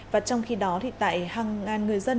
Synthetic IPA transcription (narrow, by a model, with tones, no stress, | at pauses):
vaː˨˩t͡ɕɔ˧wŋ͡mxi˧ɗɔ˨˦t̪ʰḭ˧˨t̪a̰ː˧˨jhaː˨˩ŋːaː˨˩nŋɨ˨˩əjzə˧n